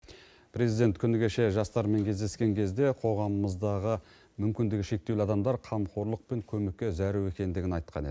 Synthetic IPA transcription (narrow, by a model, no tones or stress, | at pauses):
pʰɾe̞zijd̪e̞nt̪kʲʰʏnɪɡʲe̞ʃe̞ʒɑst̪ɑɾme̞ŋkʲʰe̞zd̪e̞skʲe̞ŋkʲʰe̞zd̪e̞qʰo̞ʁɑməməzd̪ɑʁə | mʏmkʲɪnd̪ɪɡʲɪʃe̞k̚t̪ewlɪɑd̪ɑmd̪ɑɾqʰɑmqoɾlˠəq̚pe̞ŋkʲʰɵmekʲːe̞zæɾuwe̞kʲe̞nd̪ɪɡʲɪnɑjt̪qʰɑ̰ne̞d̪ɪ